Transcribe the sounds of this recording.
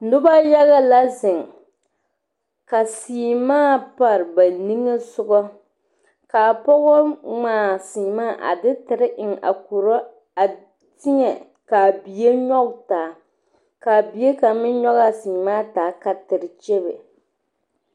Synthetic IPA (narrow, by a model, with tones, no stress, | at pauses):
nʊ˦ba˦ja˦ɣa˦la˦zɪ˨ŋ | ka˨siː˨maː˦˨pa˨ɾɨ˨ba˨ni˦ŋɨ˦sʊ˦ɡɔ˦ | ka˨pɔ˦ɣɔ˦ŋ͡maː˨siː˨maː˦˨ʔa̰˨dɪ˦tɪ˨ɾɪ˦ʔɪ˨ŋa̰˨ku˨ɾɔ˦ | a˨ | tɪ˦ɲɛ˨ | ka˨bi˨je˦ɲɔ˦ɡtaː˨ | ka˨bi˨e˦ka˨mɪ˦ɲɔ˦ɣa˦siː˨maː˦taː˨˦ka˨tɨ˨ɾɪ˨t͡ʃɛ˦bɨ̰˨